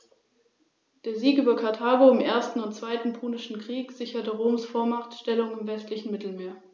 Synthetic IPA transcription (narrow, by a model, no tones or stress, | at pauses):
d̥eːɐziːkʔyːbɐkʰaɐtʰaːɡoɪmʔeːɐstn̩ʊntt͡sv̥aɪtn̩pʰuːnɪʃn̩kʁ̥iːkz̥ɪçɐtəʁoːmsfoːɐmaχtʃtɛlʊŋɪmvɛstlɪçn̩mɪtl̩meːɐ